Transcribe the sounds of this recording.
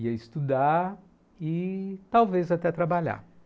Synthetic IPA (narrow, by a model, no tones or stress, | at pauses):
iɐɪst̪ud̪aɾ | ɪt̪awvezat̪ɛt̪ɾabaʎa̰